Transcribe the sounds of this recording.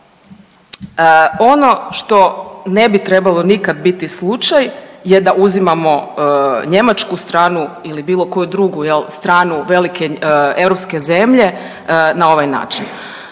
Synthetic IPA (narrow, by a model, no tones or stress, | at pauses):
o̞no̞ʃt̪o̞ne̞bit̪ɾe̞balˠo̞nikad̪̚bit̪islˠut͡ʃajje̞d̪aʔuzimamo̞ɲe̞mat͡ʃkust̪ɾaːnuilibiːlˠo̞ko̞jud̪ɾuɡujelˠst̪ɾaːnuʋe̞like̞e̞vɾopske̞ze̞mʎe̞ | nao̞ʋajna̰ːt͡ʃin